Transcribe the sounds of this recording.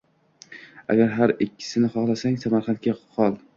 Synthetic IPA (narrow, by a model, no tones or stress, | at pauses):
a̰ɡʲaɾɦaɾɪkʲʰːɪ̥sɪnɪχɒχlˠasaŋsamaɾχɑnt̪̚kʲaqʰɒlˠ